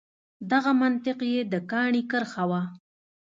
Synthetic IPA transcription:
d̪aɣamant̪ɪqjed̪əkɑɳikəɾxawa

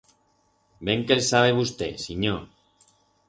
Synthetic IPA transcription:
beŋkelsaβ̞eβ̞ust̪ḛsiɲo

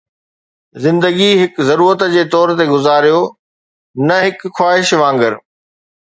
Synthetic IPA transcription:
zɪ̃nd̪əɡiɦɪkzɐɾuːɾət̪d͡ʑeːt̪ɔːɾt̪eɡʊzaːɾijo | nɐɦɪkxwaːɦɪʃʋãːŋɡəɾ

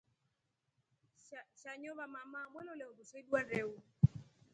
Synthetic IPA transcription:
ʃaɲoβamamamwɛnɔlɛokosedwanɾeu

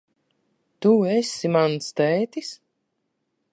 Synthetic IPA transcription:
t̪uesimanst̪ɛːt̪is

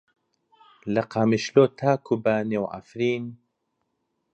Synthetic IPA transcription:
lɐqaːmiʃloːt̪ʰaːkʰubaːnewʔa̰fɾiːn

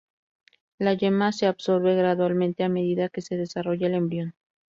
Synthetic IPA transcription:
laʝemase̞aβso̞ɾβe̞ɣɾaðwalmẽ̞nt̪e̞ame̞ðiðake̞se̞ðe̞saro̞ʝaele̞mbɾjo̞n

